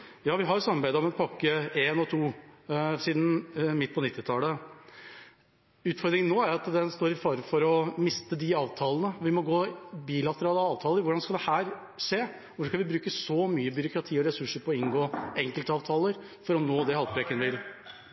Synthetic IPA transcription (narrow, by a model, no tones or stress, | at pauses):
jɑːʋɪɦɑsɑmːɑɾbæɪd̪əɔmɛnpʰɑkːəeːnɔt̪ʰuː | siːd̪n̩mɪt̪̚ːpʰɔnɪt̪ːɪt̪ʰɑːlə | ʉːt̪fɔɾd̪ɾɪŋənoːæɾɑt̪d̪ɛnst̪oːɾɪfɑɾfɔɾɔmɪst̪əd̪ɪɑːʋt̪ʰɑːlənəʋɪmɔɡoːbiːlɑt̪əɾɑːləɑːʋt̪ʰɑːləɾʋʊɖɑnskɑld̪ɛhæːɾ | ʂeː | kɑnʋɪbɾʉːkəsɔmyːəbʏɾʊkɾɑt̪ʰiːɔɾɛsʉʂəɾpʰɔːɪnɡoːɛŋkəlt̪əɑːʋt̪ʰɑːləɾ | fɔɾɔmnoːd̪ɛhɑlpɾeːkənʋɪl